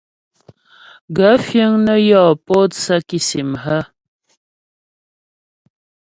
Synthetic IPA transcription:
ɡa˨˦fjə˦ŋnə˦jɔː˨po˦tsa˦ki˦si˨mɦə˦

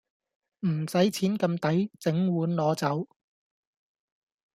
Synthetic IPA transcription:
m̩˨˩sɐ˨˥jt͡sʰiː˨˥nkɐ˧mt̪ɐ˨˥jt͡sɪ˨˥ŋwuː˨˥nlɔː˨˧t͡sɐ˨˥w

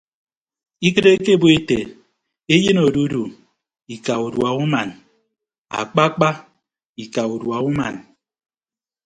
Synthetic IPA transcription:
i˦kɨ˦ɾe˦ke˦bo˦e˦tḛ˨ | e˦je˦no˨du˦du˨ | i˨ka˨u˨dwa˨u˦ma˨n | a̰˨k͡pa˦k͡pa˦ | i˨ka˨u˨dwa˨u˦ma̰˨n

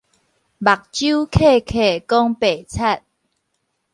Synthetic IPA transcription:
ba˨k̚t͡ɕju˦kʰe˥˨kʰe˨kɔ˦ŋpe˨˩t͡sʰa˥˧t̚

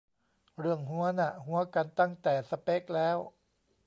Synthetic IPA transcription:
ɾɯ˥˩əŋɦu˦˥ɐna˧˩ɦu˦˥ɐka˧nt̪a˥˩ŋt̪ɛː˨˩sa˧pe˦˥k̚lɛː˦˥w

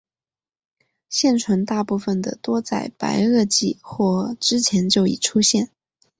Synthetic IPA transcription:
ɕjɛ˥˩nʈ͡ʂʰwə˧˥nt̪a˥˧pu˥˩fə˩nd̪ə̰˩t̪wɔ˥t͡sa˥˩ɪpa̰˧˥ɪɤ˥˧t͡ɕi˥˧xwɔ˥˩ʈ͡ʂɻ̩˥t͡ɕʰjɛ˧˥nt͡ɕjo˥˩ʊḭ˨˩ʈ͡ʂʰu˥ɕjɛ˥˩n

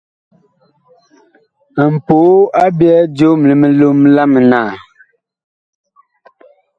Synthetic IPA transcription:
m̩˨poː˨˦a˦bjɛ˦d͡ʒo˦m˨li˨me˨lo˦m˦la˦m˨naː˨

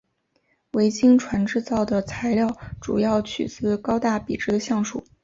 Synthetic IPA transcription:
we˧˥ɪt͡ɕi˥ŋʈ͡ʂʰwa˧˥nʈ͡ʂɻ̩˥˧t͡sɑ˥˩ʊd̪ə˩t͡sʰa˧˥ɪljɑ˥˩ʊʈ͡ʂu˨˩jɑ˥˩ʊt͡ɕʰy̰˨˩t͡sɹ̩˥kɑ˥ʊt̪a˥˩pi˨˩ʈ͡ʂɻ̩˥ɕjɑ˥˧ŋʂṵ˨˩˦

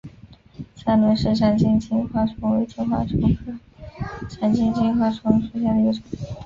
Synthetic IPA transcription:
sa˥˩nwe˧˥ʂɻ̩˥˩ʂʰa˨˧˩nt͡ɕi˥˧ŋt͡ɕi˥ŋxwa˥ʈ͡ʂʰʊ˥ŋwe˧˥ɪt͡ɕʰi˧˥xwa̰˥ʈ͡ʂʰu˥ | ʈ͡ʂʰa˨˧˩nt͡ɕi˥ŋt͡ɕi˥ŋxwa˥ʈ͡ʂʰwʊ˧˥ŋʂu˧˥ɕja˥˩d̪ə˧i˧˥˩ʈ͡ʂo˨˩˦

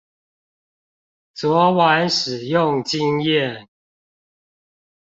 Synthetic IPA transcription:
t͡swɔ˨˦wa˨˦nʂɻ̩˨˩jʊ˥˨ŋt͡ɕi˦ŋjɛ˥˨n

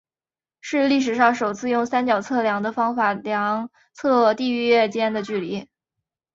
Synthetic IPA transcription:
ʂɻ̩˥˧li˥˩ʂ̬ɻ̩˨˩ʂɑ˥˩ŋʂo˨˩ʊt͡sʰɹ̩˥˧jʊ˥˩ŋsa˥nt͡ɕjɑ˨˩ʊt͡sʰɤ˥˩ljɑ˧˥ŋd̪ə˧fɑ˥ŋfa˨˩ljɑ˧˥ŋ | t͡sʰɤ˥˧t̪i˥˧y˥˧ɛ˥˩t͡ɕjɛ˥nd̪ə˨t͡ɕy˥˩li˧˥

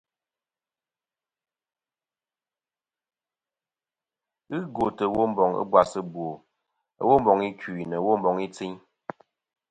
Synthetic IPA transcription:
ɨ˦ɡo˨tə˨˦wo˦m̩˦bɔ˨ŋə̰˦bwa˨sə˦bwo˨ | ə̰˦wo˦m˦bɔ˨ŋi˦ki˨nə˨wo˦m˦bɔ˨ŋi˦t͡si˦ɲ

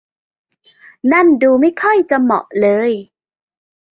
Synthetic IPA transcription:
na˥˩˨nduː˧ma˥˩jkʰɔ˥˩jt͡ɕa˨˧˨mɔ̰˨˩ʔlɤː˧j

